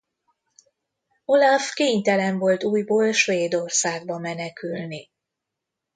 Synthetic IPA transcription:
o̞lafkeːɲt̪ɛlɛɱvo̞lt̪uːjboːlʃʋeːd̪o̞rsaːɡ̚bɒmɛnɛkylni

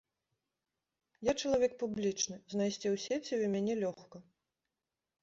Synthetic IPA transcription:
jat͡ʂɐlˠavʲɛk̚publʲit͡ʂnɨznajsʲt͡sʲiwsʲet͡sʲiumʲanʲɛlʲɔxkɐ

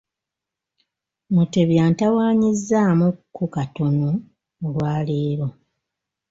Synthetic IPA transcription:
muteβjaːntawaːɲizːaːmukːukatono | lwaːleːɾo

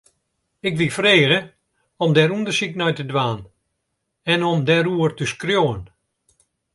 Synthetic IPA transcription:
ɪkʋifreːɣə | ɔmdɛɾundərsiknɔjtədʋaːn | ɛnɔmdɛɾuərtəskrjoːən

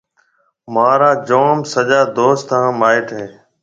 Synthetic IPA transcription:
maːɾaːd͡ʒoːmsəʄaːd̪oːst̪ãːmaːɪʈɦẽː

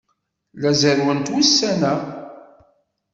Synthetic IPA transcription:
læzəɾwənt̪wisːænæ

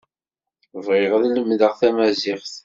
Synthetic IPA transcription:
vʁɪʁðləmðəʁθæmæziʁθ

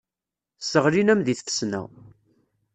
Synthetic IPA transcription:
səʁɾinæmðiθfə̥snæ̰

